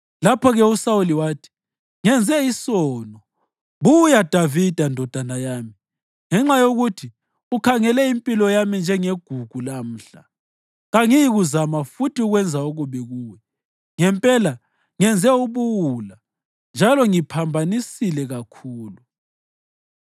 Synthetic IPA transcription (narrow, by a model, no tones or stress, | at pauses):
lapʰɔɣɛusauliwaːtʰi̥ | ŋɛnd͡zʱɛisɔːnɔ | βujad̥ʱavid̥ʱandʱɔd̥ʱanajaːmi | ŋɛŋ͡ǁajoɣutʰi | ukʰaŋɛlɛimpʼilɔjamind͡ʒʱɛŋeɡ̥ʱuɡ̥ʱulam̩ːɬa̰ | ɣaŋijiɣuzamafutiuɣwɛnd͡zʱaoɣuβɛɣuːwɛ | ŋɛmpʼɛla | ŋɛnd͡zʱɛuβuwula | nd͡ʒʱalɔŋipʰambʱanisilɛɣakʰuːlu